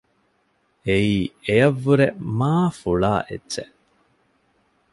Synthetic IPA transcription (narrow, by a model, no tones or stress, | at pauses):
eiːejɐʋːuɾemaːfuɭa̰ːʔetːʃeʔ